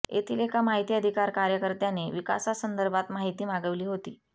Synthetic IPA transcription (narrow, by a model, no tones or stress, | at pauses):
ḛt̪ʰiːlekamaɦit̪iːəd̪ʱikaɾkaɾjəkəɾt̪janeʋika̰sasənd̪əɾbʱat̪maɦit̪iːmaɡəʋliːɦot̪ḭː